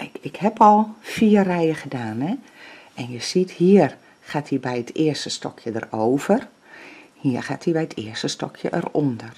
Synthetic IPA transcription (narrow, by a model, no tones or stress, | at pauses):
ɪkhɛpʰɔlˠfiːərɛjəɣədaːnɛ | ɛnjəsithiər | xaːtʰibɛjətʰɪːərstəstɔ̰kʰjədəroːv̥ər | hiərxaːtʰibɛjətʰɪ̰ːərstəstɔ̰kʰjəʔərondər